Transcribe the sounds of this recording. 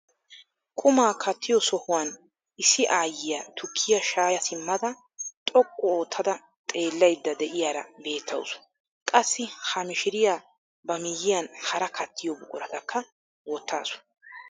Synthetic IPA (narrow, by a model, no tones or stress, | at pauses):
kʼʊmaːkʰɐt̪ʰːɪjɔsɔhʊwaːn | ɪsɪʔaːjːɪjɐt̪ʰʊkʰːɪjɐʃaːjɐsɪmːɐd̪ɐ | t̪ʼɔkʼːɔoːt̪ʰːɐd̪ɐ | t̪ʼe̞ːlːɐjd̪ːɐd̪ɛʔɪjaːɾɐ̰be̞ːt̪ʰːɐ̰wsʊ̥ | kʼɐsːɪhɐmɪʃɪɾɪjaː | bɐmɪjːɪjɐnhɐɾɐkʰɐt̪ʰːɪjɔbʊkʼʊɾɐt̪ɐkːɐ | wɔt̪ːa̰ːsʊ̥